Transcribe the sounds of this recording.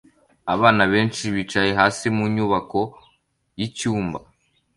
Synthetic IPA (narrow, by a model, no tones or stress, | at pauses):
aβaːnaβe̞ːnt͡ʃiβit͡ʃaje̞ɦaːsimuɲuːβako̞ | jicuːmba̰